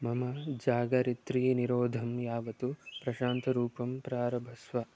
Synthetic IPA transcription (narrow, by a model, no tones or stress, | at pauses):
mɐmɐd͡ʒaːɡɐɾit̪ɾiːniɾoːd̪ʱɐmjaːʋɐt̪upɾɐʃaːnt̪ɐɾuːpɐmpɾaːɾɐbʱɐsʋɐ